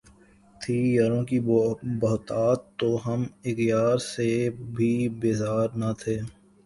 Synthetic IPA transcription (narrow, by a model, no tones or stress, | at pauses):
t̪ʰiːjəɾõːkibəɦt̪aːt̪ːoɦəmɪkjaːɾsebʱiːbeːzaːɾnat̪ʰeː